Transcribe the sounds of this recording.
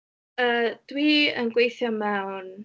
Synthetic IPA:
əd̥wiə̰nɡwejθjɔmɛwn

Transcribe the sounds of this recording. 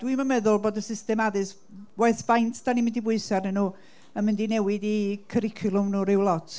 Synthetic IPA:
d̥wiməmɛðʊlˠboːdəsɪstɛmadɨs | waɨθvajntʰd̥animɪndibwʊɨsarnɛnuː | əmɪndinɛwɪdikʰəɾɪkʰjʊlˠʊmnuːɾɪwlˠɔtʰ

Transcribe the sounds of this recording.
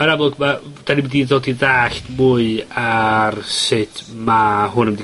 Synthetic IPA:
aɾablˠʊɡmad̥animidiðoːdiðaːɬtmʊɨarsɪd̥ʰmaɦʊnəmdi

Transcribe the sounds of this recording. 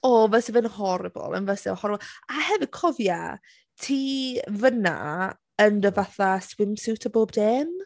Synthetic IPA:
ɔvɛsɛvɛnhɔɾəbɔ̰lˠə̰nvəsɛhɔɾbɔlˠahɛvɪd̥̚kʰɔvja̰ | tʰiːvəna̰ | əndəvaθaswɪmsɪwtʰaboːb̚deːn

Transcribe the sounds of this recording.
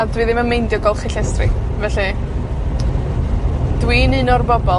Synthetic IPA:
adwiːðɪmənmejndjɔɡɔlˠχɪɬɛstrɪ̰ | vɛɬɨ | d̥winɨnɔrbɔbɔ

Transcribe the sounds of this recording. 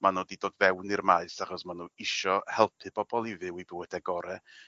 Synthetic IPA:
manoːdidoːdvɛwnirmaɨsaχɔsmanuːɪʃɔhɛlˠpʰɨb̥ɔbɔlˠivɨwibɪwədɛɡɔɾɛ

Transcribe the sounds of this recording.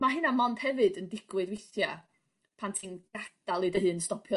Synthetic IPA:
maɦɨnamɔnd̥hɛvɨdəndɪɡ̥wɨdwɪθja | pʰantʰinɡ̥ad̥alˠidəɦɨːnstɔpʰjɔ

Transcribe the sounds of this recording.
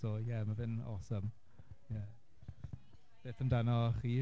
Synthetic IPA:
oːjɛmavɪnɔ̰səm | jɛ | b̥eːθəmdanɔχiː

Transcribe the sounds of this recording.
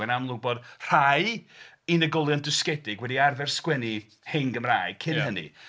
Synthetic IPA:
ɛnamlˠʊbɔd̥r̥aj | inəɡɔlˠjɔndɨskɛdɪɡwɛdiarvɛrskwɛni | heŋɡəmraːjkʰɪɦənḭ

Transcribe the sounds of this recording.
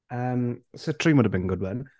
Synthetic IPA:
əːmsətʰɹ̥imwʊdəvbĩnɡʊd̚wə̃n

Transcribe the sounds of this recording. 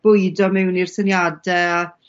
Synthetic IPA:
b̥ʊjdɔmɛwnir̥sənjadɛa

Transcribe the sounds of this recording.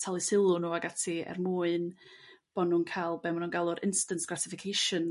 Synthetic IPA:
tʰalˠɨsɪlˠʊnuaɡatʰiɛ̰rmuːɨn | b̥ɔnuːnkʰajlˠbɛmanuːnɡalˠʊɾʔɪnstəntɡ̥ratɪfɪkʰejʃən

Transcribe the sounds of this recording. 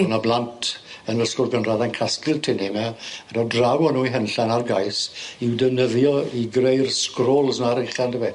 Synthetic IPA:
unablˠantʰənəskʊrɡənraðankʰaskɪlˠtʰɪnɛmɛədɔdrawɔnuːiɦənɬanarɡajsiwdənəðjɔiɡrejrskroːlˠsnaɾɪχandəvɛ

